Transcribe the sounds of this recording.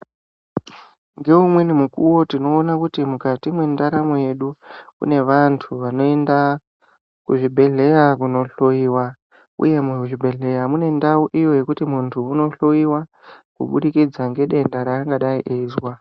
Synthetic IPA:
ŋɡe̞umwe̞nimukuwo̞tino̞ːnakutimukatimwe̞ndaɾamoje̞ɗukṵne̞ʋantʰuʋano̞e̞nda | kuʐibʱe̞ɮe̞jakuno̞ɬo̞iːwa | ṵje̞muʐibʱe̞ɮe̞jamune̞ndauʔijo̞je̞kutimuntʰuːno̞ɬo̞iwa | kṵɓuɗikid͡zaŋɡe̞ɗe̞ndaɾaaŋɡaɗaiʔezwa

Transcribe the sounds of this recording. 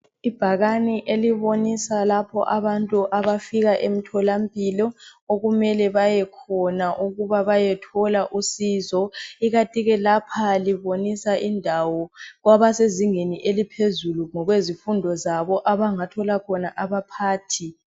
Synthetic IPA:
ib̥ʱaɣaniʔeliβonisalapʰɔ̰ʔaβantʼuʔaβafiɣaʔem̩tʰɔlampʼiːlɔoɣumɛlɛβajɛkʰɔnaʔuɣuβaβajɛtʰɔlaʔusiːzɔiɣatʼiɣɛlapʰaliβonisaʔindʱawɔɣwaβaseziŋeniʔelipʰezuluŋɔɣwezifundʱɔzaβɔʔaβaŋatʰɔlakʰɔnaʔaβapʰaːtʰi

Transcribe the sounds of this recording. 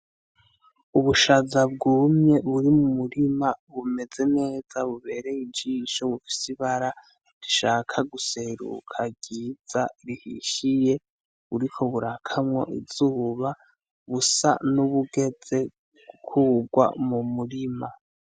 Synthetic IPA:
uβuʃazabɡuːmɲe̞βuɾimumuɾimaβume̞ze̞ne̞ːz̥aβuβe̞ːɾe̞id͡ʒiːʃo̞βufi̥siβaɾa | ɾiʃaːkʰaɡuse̞ɾṵkʰaɟiːd͡zaɾihḭʃije̞ | βuɾikʰo̞βuɾakʰamŋo̞̰ʔḭz̥uːβa | βusa̰nuβuɡe̞d͡ze̞ | ɡ̥ukʰuɡwa̰mumuɾima

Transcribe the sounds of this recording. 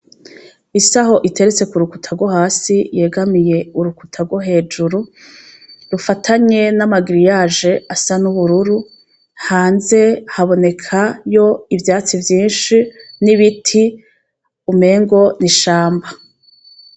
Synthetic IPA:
isaɦo̞ʔite̞ɾet͡se̞kuɾukutʰaɡwoɦaːsije̞ːɡamije̞uɾukutʰaɡwoɦe̞ːd͡ʒuɾu | ɾufatʰaɲe̞namaɡiɾijaːʒe̞asanuβuɾuɾu | haːnze̞haβo̞ne̞kʰajo̞ivjaːt͡sivjiːnʃiniβitʰi | ume̞ːŋɡo̞niʃaːmba

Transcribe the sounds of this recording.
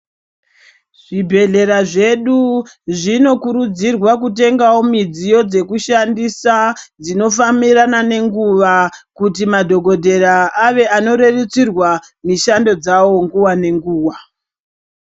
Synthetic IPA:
ʐ̥ibʱe̞ɮe̞ɾaʐe̞ɗu | ʐino̞kuɾud͡zirwakute̞ŋɡawo̞mid͡zijo̞d͡ze̞kuʃandisad͡zino̞famiranane̞ŋɡuʋakutimadʱo̞ɡʱo̞dʱe̞ɾaaʋe̞ano̞ɾe̞ret͡sirwa | miʃando̞d͡zawo̞ŋɡuwane̞ŋɡuːwa

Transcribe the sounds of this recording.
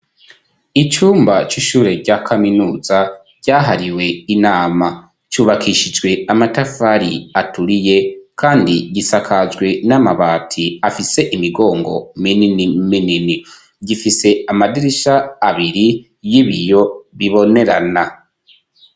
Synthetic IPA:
it͡ʃuːmbat͡ʃiʃuːɾe̞ɾɟakʰaminuːza | ɟ̥aːɦaɾiwe̞inaːma | t͡ʃuːβakʰiʃid͡ʒɡwe̞amatafaɾiatuɾije̞kʰaːndiɟisakʰazɡwe̞namaβaːtʰiafise̞ʔimiɡo̞ːŋɡo̞̰minminini | ɟifise̞amadiɾiʃaːβiɾi | jiβijo̞βiβo̞ne̞ɾa̰na

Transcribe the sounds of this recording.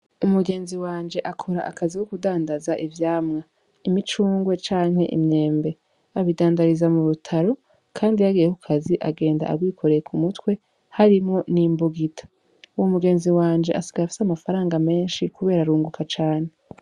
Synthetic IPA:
umuɡe̞ːnziwaːnd͡ʒe̞ʔakʰo̞ɾaʔakʰaziwokudaːndazaʔivjaːmŋa | imit͡ʃuːŋɡwe̞t͡ʃaːŋhe̞̰ʔḭmɲe̞ːmbe̞ | aβidaːndaɾizamuɾutʰaɾo̞ | kʰaːndijaɡijehukʰaziʔa̰ɡe̞ːnda̰a̰ɡwiːkʰo̞ɾejekʰumutwe̞ | haɾimŋo̞nimbuɡitʰḁ | uwomuɡe̞ːnziwaːnd͡ʒeʔasiɡaafi̥samafaɾaːŋɡame̞ːnʃikuβe̞ːɾaɾuːŋɡukʰat͡ʃaːne̞

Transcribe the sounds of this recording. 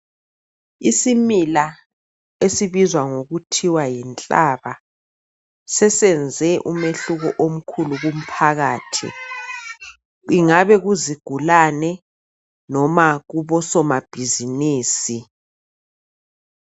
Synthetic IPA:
isimila | esiβizwaŋoɣutʰiwajint͡ɬʼaβa | sɛsɛnd͡zʱɛʔumeɬuɣɔʔom̩kʰuluɣum̩pʰaɣaːtʰḭ | iŋaβɛɣuziɡ̥ʱulanɛ | nɔmaɣuβɔsɔmab̥ʱiziniːsi

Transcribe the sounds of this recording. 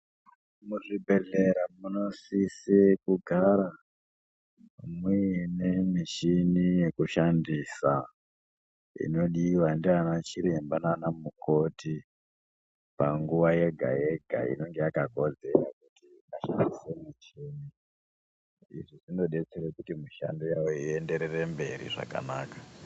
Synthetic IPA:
muʐibʱeɮe̞ɾamuno̞sisikuɡʱaɾa | minemiʃinije̞kuʃandisa | ḭno̞ɗiwandianat͡ʃiɾe̞mbananamuko̞ti | paŋɡuʋaje̞ɡʱa̰je̞ɡʱa̰ḭno̞ŋɡe̞jakako̞d͡ze̞rakutiaʃa̰ndisemut͡ʃeni | ḭʐiʐino̞ɗe̞t͡seɾekutimuʃa̰ndojawoie̞nde̞ɾere̞mbe̞̰ɾḭʐa̰ka̰naːkḁ

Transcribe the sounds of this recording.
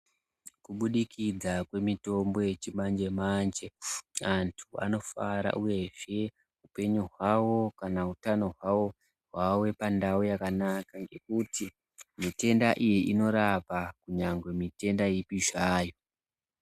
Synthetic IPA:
kuɓuɗikid͡zakwe̞mito̞mbo̞je̞t͡ʃimand͡ʒe̞mand͡ʒeantʰua̰no̞faɾa̰ʔuje̞ʒ̥e̞ | upe̞ɲuɦwawo̞kanautano̞ɦwawo̞ | ɦwawe̞pandaojakanakaŋɡe̞kuti | mite̞ndaʔijiʔino̞ɾapakuɲaŋɡwe̞mite̞ndajipiʒaːjo̞

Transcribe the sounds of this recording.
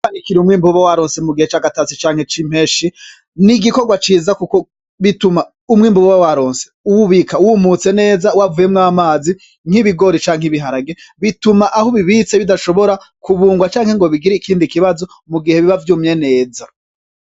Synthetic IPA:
kanikiɾiumŋiːmbuβawaɾoːnse̞muɡihet͡ʃaːɡatat͡sit͡ʃaːŋ̥he̞t͡ʃim̥eːʃi | niɡiko̞ɡwat͡ʃiːzakuko | βituma | umŋiːmbuβawaɾo̞ːnse̥uwuβikauwumut͡se̞ne̞ːzawavujemŋaːmaːzi | ŋ̥iβiɡo̞ɾit͡ʃaːŋ̥hiβiɦaɾaɡeβitumaʔahoβiβit͡se̞βidaʃo̞βo̞ɾa | kuβuːŋɡwat͡ʃaːŋhe̞ŋɡo̞βiɡiɾikʰiːndikiβazo̞ | muɡihe̞βiβavjuːmje̞ne̞ːza

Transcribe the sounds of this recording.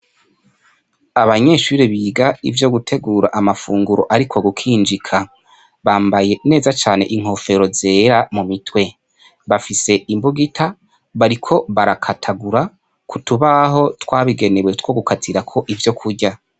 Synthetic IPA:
aβaɲe̞ːʃuːɾiβiːɡaḭvjo̞ɡutʰe̞ɡuːɾaʔamafuːŋɡuɾo̞ʔaɾikʰo̞ɡukʰiːnd͡ʒikʰa | βaːmbaje̞ne̞ːzat͡ʃaːne̞̰ʔiŋ̥ho̞fe̞ɾo̞ze̞ːɾamumitwe̞ | βafise̞imbuɡitʰa | βaɾikʰo̞βaɾakʰatʰaɡuɾa | kʰutuβaɦo̞twaːβiɡe̞ne̞we̞two̞ɡukʰatʰiɾakʰo̞ʔivjo̞kʰuɾɟa

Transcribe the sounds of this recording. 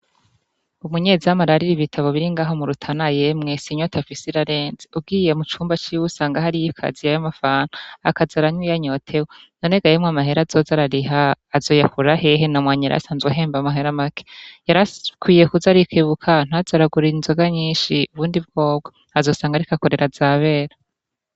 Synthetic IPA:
umuɲe̞ziamaɾaɾiɾiβitʰaβoβiɾiŋɡaːɦo̞muɾutʰanaje̞mŋesiɲotafisiɾaɾe̞ːnzeubɡiːje̞mut͡ʃuːmbat͡ʃiwusaːŋɡahaɾijikʰa̰ziajomafaːnaa̰kazaɾaɲwijaɲo̞tʰe̞wononeɡajemŋamaɦe̞ɾazo̞zaɾaɾiɦaːzo̞jakuɾaheɦenamwaːɲiɾa̰saːnzɡeɦeːmbamaɦeɾamake̥jaɾakwiːjekuzaɾikʰeːβukʰan̥azaɾaɡuɾiinzoɡaɲiːnʃiuβuːndibɡo̞ːb̚ɡḁ | azo̞saːŋɡaɾikako̞ɾe̞ɾʔazaβe̞ːɾa

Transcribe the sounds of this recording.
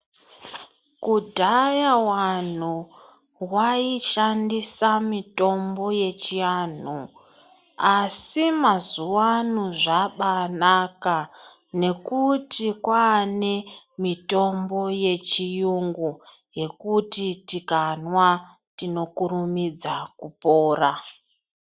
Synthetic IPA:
kudʱajawan̤u | waiʃandisamito̞mbo̞je̞t͡ʃian̤u | asimazuwanuʐaɓanaka | ne̞kutikwaːne | mito̞mbo̞je̞t͡ʃijuŋɡu | je̞kutitikanwa | tino̞kurumid͡zakupoːra

